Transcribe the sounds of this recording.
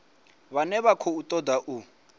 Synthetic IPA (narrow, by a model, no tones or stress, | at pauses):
βanɛβakʰɔutʼɔd̪aʔu